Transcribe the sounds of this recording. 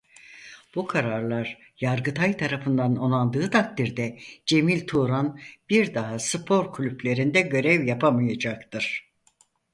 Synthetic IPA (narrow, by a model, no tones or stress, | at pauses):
b̥ukʰaɾaɾlˠaɾ | jaɾɡɯt̪ʰajt̪ʰaɾafɯnd̪ano̞nˠand̪ɯːt̪ʰak̚t̪iɾd̪ɛd͡ʒe̞milʲt̪ʰuɾanb̥iɾd̪aɦasɯpʰo̞ɾkʰlʲyplʲe̞ɾind̪ɛɟø̞ɾɛvjapʰamɯjad͡ʒak̚t̪ʰɯɾ̥